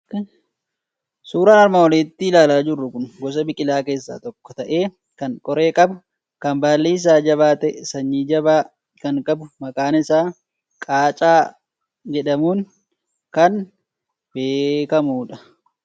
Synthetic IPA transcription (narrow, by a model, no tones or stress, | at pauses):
suːɾaːnɐɾmawɔleːt̪ːiːlaːlaːd͡ʒɪrːʊkʊnɡɔs̬ɐbɪkʼɪlaːke̞ːsːa̰ːt̪ɔkːɔ̥t̪ɐʔeː | kɐŋkʼɔɾe̞ːkʼɐb | kɐmbaːlːiːs̬aːd͡ʒɐβaːt̪ɛsɐɲːiːd͡ʒɐbaː | kɐŋkʼɐbʊmɐkʼaːnɪsaː | kʼaːt͡ʃʼaː | d͡ʒɛᶑɐmuːn | kɐn | beːkɐmuːᶑɐ̥